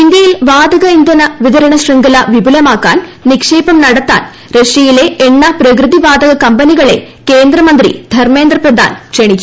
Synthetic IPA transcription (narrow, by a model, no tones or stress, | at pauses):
ind̪jɐjilʋaːd̪ɐɣɐind̪ɐnɐʋiðɐɾɐɳɐɕrɐŋɡɐlɐʋibʱulɐmaːkːaːnnikʂe̞ːpɐmnɐɽɐt̪ːa̰ːn | ɾeʂijile̞eɳːɐprɐkrɨðiʋaːd̪ɐɣɐkɐmbɐniɣɐɭe̞̰ | keːnd̪rɐmɐnd̪rḭd̪ʱɐrme̞ːnd̪rɐprɐd̪ʱa̰ːnkʂeɳikʲːu